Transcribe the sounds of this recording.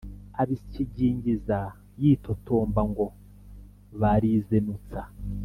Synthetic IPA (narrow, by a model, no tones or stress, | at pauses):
aβiciɟiːɲɟiza | jiːtotoːmbaŋɡo̞ | βaɾizenut͡sa